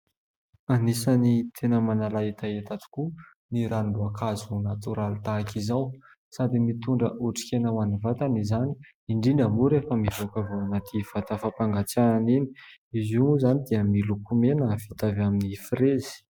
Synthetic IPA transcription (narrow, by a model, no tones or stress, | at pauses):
anisanit̪ʰenəmanalait̪ʰajat̪at̪i̥ku | niɾanluakʰazunat̪uɾalt̪akizaw | sad̪imit̪uɳɖ͡ʐə̰ʔuʈ͡ʂi̥kʲenəwanivat̪anizani̥ː | ɳɖ͡ʐiɳamuɾefəmivokavoanat̪ʰiv̥at̪afapaŋɡat͡saanini̥izuuzanid̪iəmilukumenəvit̪avaminifirezi̥